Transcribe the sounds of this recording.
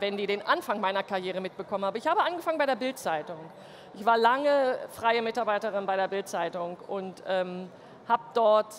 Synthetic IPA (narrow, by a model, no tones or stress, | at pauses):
vɛndiːɾeːnʔanfaŋmaɪnɐkaɐʁjeːʁ̞əmɪt̚b̥əkʰɔmənhaːbəɪçhaːbəʔanɡəfaŋənbaɪɾeɐbɪltt͡saɪtʊŋ | ʔɪçv̥aːɐlaŋəfʁ̥aɪəmɪtaɐbaɪtəʁɪnbaɪɾeːɐbɪlt̚t͡saɪtʊŋʊntʔɛːm | haːbəd̥ɔɐt